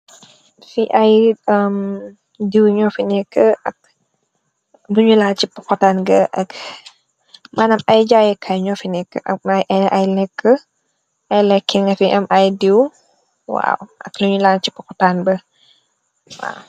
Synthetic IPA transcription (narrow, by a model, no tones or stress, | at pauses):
fiʔajəm | diwɲɔfinɛkːəʔɐk̚ | luɲulant͡ʃipɔkɔtanɡɐʔɐk | manɐmɐjd͡ʒajɛkʰajɲɔfinɛkːə̰ʔɐjʔʔajlɛkːə | ʔɐjlɛkːiŋɐfiʔɛmʔajdiw | wa̰wʔɐ̰kluɲulant͡ʃipɔkɔtanbə | wa̰w